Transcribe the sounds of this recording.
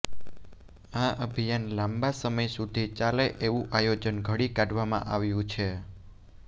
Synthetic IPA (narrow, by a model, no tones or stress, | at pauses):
aəbʱijanlãmbasəməjsud̪ʱit͡ʃaleʔeʋũʔajod͡ʒənɡʱəɽikaɖʋamã̰ʔaʋjũt͡ʃʰe